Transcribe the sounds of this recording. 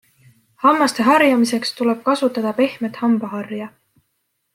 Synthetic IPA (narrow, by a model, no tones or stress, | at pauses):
hɑmːɑst̪e̞ɦɑrjɑmise̞kst̪ule̞b̥̚kɑsut̪ːˑɑd̪̥ɑpe̞hme̞t̪hɑmb̥ɑɦɑrjɑ